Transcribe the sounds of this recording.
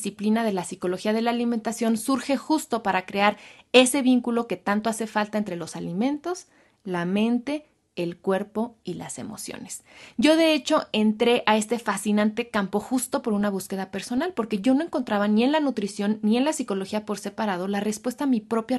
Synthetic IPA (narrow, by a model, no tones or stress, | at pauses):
siplinað̞e̞lasiko̞lo̞xiað̞e̞laːliment̪asjo̞nsuɾxe̞xust̪o̞paɾakɾe̞aɾe̞se̞βiŋkulo̞ke̞t̪ant̪o̞ase̞falt̪aent̪ɾe̞lo̞salimẽ̞nt̪o̞s | lamẽ̞nt̪e̞ː | lkwe̞ɾpo̞ila̰se̞̰mo̞̰sjo̰nesɟ͡ʝo̞ðe̞et͡ʃo̞e̞nt̪ɾe̞ʔae̞st̪e̞fasinãnt̪e̞kampo̞xust̪o̞po̞ɾunaβ̞uske̞ðape̞ɾso̞nalpo̞ɾke̞ʝo̞no̞e̞ŋko̞nt̪ɾaβanie̞nlanut̪ɾisjo̞nːie̞nlasiko̞lo̞xiapo̞ɾse̞paɾað̞o̞lare̞spwe̞st̪aːmipɾo̞pja